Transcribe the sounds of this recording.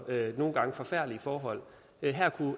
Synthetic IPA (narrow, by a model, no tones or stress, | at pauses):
øno̝ːn̩ɡ̥ɑ̈ŋəfɒ̽fæɐ̰̥lifɒːɦɒ̽l̰ | ɦæɐ̰kʰu